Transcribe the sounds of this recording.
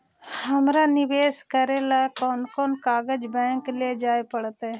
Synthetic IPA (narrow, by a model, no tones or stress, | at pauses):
hɐmɾanɪʋeːskəɾelaːkɔːnkɔːnkaːɡəd͡ʒbɛ̃ːŋkled͡ʒaːepəɽt̪e